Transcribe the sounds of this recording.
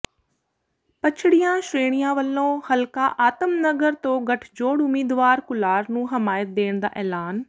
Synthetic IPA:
pɐt͡ʃʰɪɽijãːʃɾeːɽ̃ijãːʋəlːõːhɐlkaʔaːt̪əmnɐɡəɾt̪õːɡɐʈʰd͡ʒoːɽʊmiːd̪ʋaːɾkʊlaːɾnũːɦɐmaːjət̪̚d̪eːɽ̃d̪a̰ːʔɛːlaːn

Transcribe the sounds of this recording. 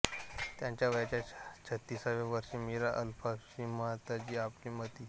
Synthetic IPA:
t̪jãɲt͡ɕjaʋəjat͡ɕat͡ɕʰət̪ːisaʋeʋəɾɕimiɾaʔəlfaɕimat̪ad͡ʑiːapliːmət̪iː

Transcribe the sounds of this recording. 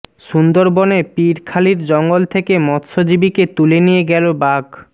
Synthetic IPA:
ʃund̪oɾbonepiɾkʰaliɾd͡ʑɔŋɡolt̪ʰekemɔt̪ʃod͡ʑibiket̪ulenijeɡɛlobaɡ

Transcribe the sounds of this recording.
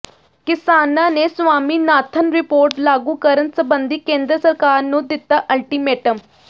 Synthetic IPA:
kɪsaːnãːneːsʊʋaːmiːnaːt̪ʰənɾɪpoːɾʈlaːɡũːkəɾənsəbənd̪iːkẽːnd̪ɾəsəɾkaːɾnũːd̪ɪt̪ːaːʔəlʈiːmeːʈəm

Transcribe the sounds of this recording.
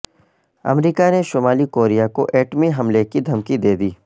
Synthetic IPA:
ɐ̰mɾiːkaneʃoːmaːlikoːɾijakoʔɛːʈmiɦɐmlekid̪ʱɐmkid̪eːd̪iː

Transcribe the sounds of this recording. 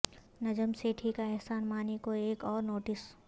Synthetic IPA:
nɐd͡ʒəmseʈʰiːkaɛɦsaːnmaːnekoeːkɔːɾnoːʈɪs

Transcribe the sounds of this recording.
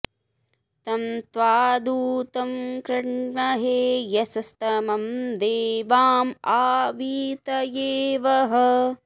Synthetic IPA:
t̪ɐmt̪ʋaːd̪uːt̪ɐmkɾɐɳmɐɦeːjɐsɐst̪ɐmɐmd̪eːʋaːmaːʋiːt̪ɐjeːʋɐɦɐ

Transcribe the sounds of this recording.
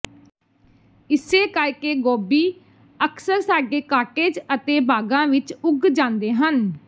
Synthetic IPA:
ɪseːkəɾkeːɡoːbiː | əksəɾsaːɡeːkaːʈeːd͡ʒət̪eːbaːɡãːʋɪt͡ʃʊɡd͡ʒãːnd̪eːɦən

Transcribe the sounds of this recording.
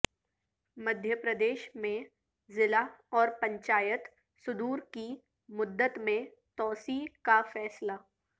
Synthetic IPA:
mɐd̪ʱjəpɾəd̪eːʃmẽ | zɪlaɔːɾpɐ̃ɲt͡ʃaːjət̪ | sʊd̪uːɾki | mʊd̪ːət̪mẽ | t̪ɔːsikafɛːsla

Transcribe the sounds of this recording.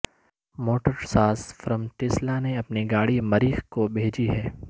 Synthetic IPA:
moːʈəɾsaːsfɾə̃mʈ̪ɪslaneɐpniɡaːɽimɐɾiːxkobʱeːd͡ʒiɦɛː

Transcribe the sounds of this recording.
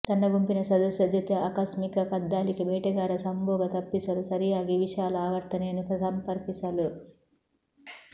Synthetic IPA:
t̪ɐnːɐɡumpinɐsɐd̪ɐsjɐd͡ʒ̪ʱjɐt̪eaːkɐsmikɐkɐd̪ːaːlikibɛːʈɐɡaːɾɐsɐmbɔːɡɐt̪ɐpːisɐlusɐɾijaːɡiʋiʃaːluaːɡɐɾt̪ːɐneːnupɾɐsɐmpɐɾpisɐlu

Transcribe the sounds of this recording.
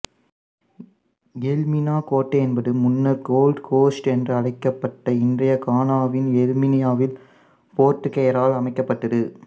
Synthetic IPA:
jɛlmɪnaːkoːʈːɐɛnbɐðɯmʊnːɐɾɡoːlɖkoːsʈɛndrɯɐɽɐɪkːɐpːɐʈːɐɪndrɐjɐkaːnaːʋɪnɛlmɪnɪjaːʋɪl | poːrʈːɯkːɐjɐɾaːlɐmɐɪkːɐpːɐʈːɐðɯ

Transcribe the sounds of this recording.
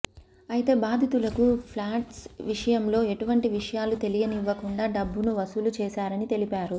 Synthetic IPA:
ɐjit̪e̞ːbaːd̪ʱit̪ulɐkupʰlaːʈsʋiʂɐjɐmlo̞ːe̞ʈuʋɐɳʈiʋiʂɐjaːlut̪e̞lijɐniʋːɐkuɳɖaːɖɐbːunuʋɐsulut͡ʃɛːʃaːɾɐnit̪e̞lipaːɾu

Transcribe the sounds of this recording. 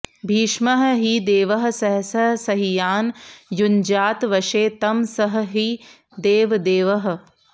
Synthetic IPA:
bʱiːʃmɐɦɐ̆ɦid̪eːʋɐɦɐ̆sɐɦɐsɐɦsɐɦijaːnjund͡ʒaːt̪ʋɐʃeːt̪ɐmsɐɦɐ̆ɦi | d̪eːʋd̪eːʋɐɦɐ̆

